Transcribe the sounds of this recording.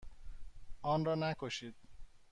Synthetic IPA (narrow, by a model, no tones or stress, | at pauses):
ɔnɾɔnakoʃit̪̚